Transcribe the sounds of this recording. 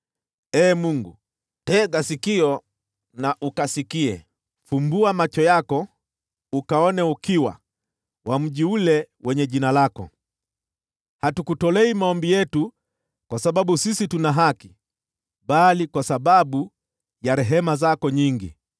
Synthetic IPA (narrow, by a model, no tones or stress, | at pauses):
ɛːmuŋɡṵ | tɛːɡasikiɔ | naʔukasikiɛ̰ | fumbuamat͡ʃɔjakɔ | ukaɔnɛukiwa̰ | wʔam̩ʄiulɛwɛɲɛʄinalakɔ̰ | hatukutɔlɛimaɔmbijɛtu | kwasaɓaɓusisitunaɦaki | ɓalikwasaɓaɓu | jaɾɛɦɛmazakɔɲiŋɡḭ